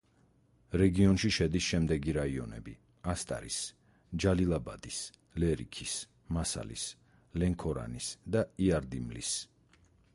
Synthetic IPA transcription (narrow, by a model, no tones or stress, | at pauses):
ɾɛɡiɔnʃiʃɛd̪isʃɛmd̪ɛɡiɾaiɔnɛ̰bi | ast̪ʼa̰ɾis | d͡ʒalilˠabad̪is | lɛɾḭkʰis | masa̰lḭs | lɛŋkʰɔɾa̰nisd̪aiaɾd̪imlḭs